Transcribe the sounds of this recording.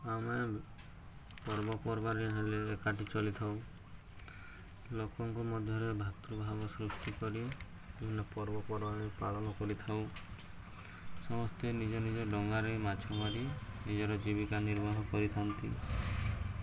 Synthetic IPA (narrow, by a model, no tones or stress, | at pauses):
ame | pɔɾbɔpɔɾbaɾiɦeleːkaʈit͡ʃɔlit̪ʰaw | lokɔŋkumɔd̪ʱjɔɾebʱat̪ɾubʱabɔsɾusʈikɔɾi | einɔpɔɾbɔpɔɾbãipaɭɔnɔkɔɾit̪ʰaw | sɔmɔst̪enid͡ʒɔnid͡ʒɔɖɔŋɡaɾemat͡ʃʰɔmaɾinid͡ʒɔɾɔd͡ʒibikaniɾbɔɦɔkɔɾit̪ʰant̪i